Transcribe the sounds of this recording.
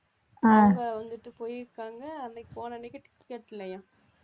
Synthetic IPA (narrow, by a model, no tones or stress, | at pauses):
aːŋɡɐʋɐnd̪ɯʈːɯpojɾɯkːaːŋɡɐɐnd̪ɐkːipoːnɐnɛkːɪʈːɪ̥kːʈkeːʈːɪlːɐjãː